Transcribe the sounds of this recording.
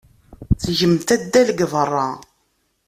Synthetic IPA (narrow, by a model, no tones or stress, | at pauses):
t͡sʝəmt̪æd̪ːælɡvərˤːɑ